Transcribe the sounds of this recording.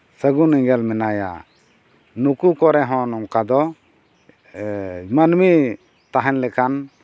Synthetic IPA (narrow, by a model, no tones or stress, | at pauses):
səɡuniŋɡɛlmɛnaja̰ | nukukɔɾɛɦɔ̃nɔŋkad̪ɔ | manmi | t̪aɦɛnlɛkʰan